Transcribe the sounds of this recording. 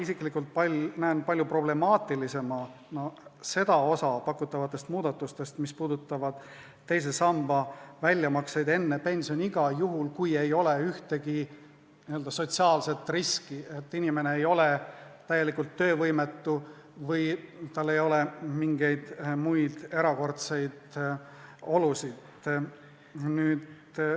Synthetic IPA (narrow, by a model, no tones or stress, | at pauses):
isiklikːˑult̪̚pɑlnæːnpɑlʲjupro̞ble̞mɑːt̪ːˑilise̞mɑ | nose̞d̪ɑo̞sɑpɑkːut̪ːˑɑvɑt̪ːˑe̞st̪muːd̪̥ɑt̪ːˑust̪e̞st̪mispuːd̪̥ut̪ːˑɑvɑd̪̥ | t̪ːe̞js̬e̞sɑmb̥ɑvælʲːjɑmɑksejd̪e̞nːepe̞nʲsio̞nʲiɡ̥ɑjuɦulkuje̞jo̞le̞yht̪e̞ɡi | niøld̪̥ɑso̞t̪siɑːlse̞t̪ːˑriskie̞t̪ːinime̞ne̞ejo̞le̞t̪æjːe̞likult̪ːø̞ːvɤjme̞t̪ːu | vɤjt̪ɑlːe̞jo̞lemiŋɡ̥e̞jd̪̥mujd̪̥e̞ɾɑko̞rt̪se̞jd̪̥ | o̞lusid̪ | nyːd̪